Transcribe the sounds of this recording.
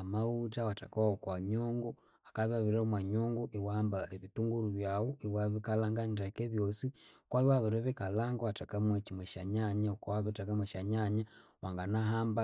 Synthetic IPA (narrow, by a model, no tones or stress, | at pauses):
mautawata̰kaokwaɲoːŋɡu | akaβaβiɾaomwaɲoːŋɡuʔiwaːmbaeβituŋɡuɾuβjawoiwaβikalaːŋɡantakeβjosikwaiwaβiɾoβikalaŋɡoatakamwecimweʃaɲaɲaokuwaβitakamweʃaɲaɲa | waŋɡanaɦaːmba